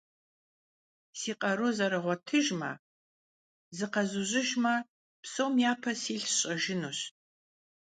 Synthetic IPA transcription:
siːqʼɐɾuzɐɾɨʁʷɔtʰɨʒmɐ̰ | zɨqɐzuʑɪʒmɐ | psowmjaːpʰɐsiːɬɕʼɐʒɪnuɕ

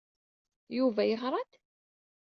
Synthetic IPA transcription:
juvæjəχɾˤɑt̪

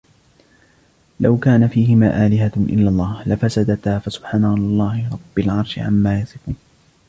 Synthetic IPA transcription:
lawkaːnafiːɦɪmaːʔaːlɪɦaʔɪ̰lːalˤːɑːhlafasad̪at̪aːfasʊ̥b̥ħaːnawlɑlˤːɑːhɪɾˤɑbːalʕɑɾˤʃɪʕa̰mːaːjɑsˤɪquːn

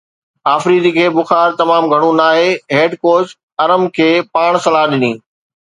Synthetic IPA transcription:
aːfɾiːd̪ikʰeːbʊxaːɾt̪ɐmaːmɡʱɐɽ̃ũnaːɦeɦeːɖkoːɾs | ɐɾəmkʰeːpaːɽ̃sɐlaːɗɪniː

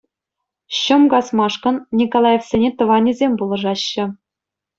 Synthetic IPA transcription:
ɕɤ̆mɡɑsmɑʂkɤ̆nnʲikolˠɑjefsʲenʲet̪ɤ̆ʋɑnʲizʲemʲbulˠɤ̆ʐɑɕːɘ̆

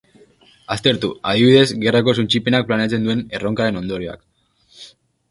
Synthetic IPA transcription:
ast̪e̞ɾt̪uað̞iβiðe̞zɡe̞rako̞sunt͡ʃipe̞nak̚plane̞at͡se̞nd̪ue̞ne̞ro̞ŋkaɾe̞no̞nd̪o̞ɾio̞a̰k

